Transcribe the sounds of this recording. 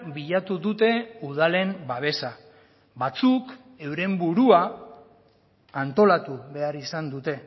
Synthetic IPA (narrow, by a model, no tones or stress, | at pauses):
biʎat̪uðut̪e̞uð̞ale̞mbaβ̞e̞sa | βat͡suk | e̞wɾe̞mbuɾua | nt̪o̞lat̪uβe̞aɾisand̪ut̪e̞